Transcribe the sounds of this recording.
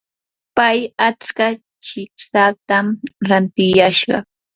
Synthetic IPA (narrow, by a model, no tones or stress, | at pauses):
pajat͡ska | t͡ʃɪksat̪amɾant̪ɪjaʃɢɑ̰